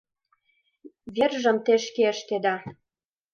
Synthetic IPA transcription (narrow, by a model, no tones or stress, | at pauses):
verʒə̆mt̪eʃkeəʃt̪ed̪ɑ